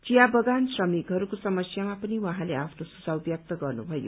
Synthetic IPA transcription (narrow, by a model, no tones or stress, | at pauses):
t͡sijabʌɡansrʌmikɦʌɾukosʌmʌsjamapʌniwaɦãleapʰnosud͡zʱawbjʌk̚t̪ʌɡʌrnṵbʱʌjo̰